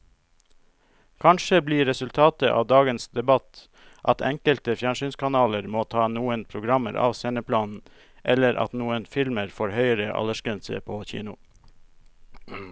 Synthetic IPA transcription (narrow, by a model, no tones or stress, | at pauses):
kʰɑnʃəbliːɾɛsʉlt̪ʰɑːt̪əʔɑ̰ːʋd̪ɑːɡənsd̪ɛbɑt̪ | ʔɑt̪ʰɛŋkəlt̪əfjæɳʂyːnskʰɑnɑːləɾmoːt̪ʰɑːnuːənpʰɾʊɡɾɑmə̰ɾʔɑ̰ːʋseːnəpʰlɑːnn̩ | ʔɛləɾʔɑ̰t̪nuːənfɪlməɾfoːɾhœʏəɾəʔɑ̰ləʃkɾɛnsə̰pʰoːçḭːnʊ